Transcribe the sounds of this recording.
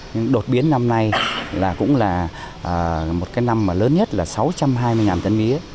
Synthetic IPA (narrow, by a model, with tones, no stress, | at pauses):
ɲɨ˧ŋɗo˨˩t̚ɓi˨˦ənːa˧mna˧jlaː˨˩kʊ̰˧˥ŋ͡mlaː˨˩ | ʔəː˨˩mo˨˩t̚kaː˨˦jna˧mːaː˨˩ləː˨˦nɲə˦˥t̚laː˨˩sa˨˦wt͡ɕa˧mɦaː˧jmɨ˧jŋaː˨˩nt̪ə˧nmi˨˦ə